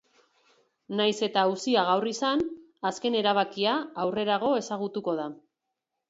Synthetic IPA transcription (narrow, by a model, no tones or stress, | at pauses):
najse̞t̪ausiaɣ̞awrisan | aske̞ne̞ɾaβ̞akiaːwre̞ɾaɣ̞o̞e̞saɣ̞ut̪uko̞ð̞a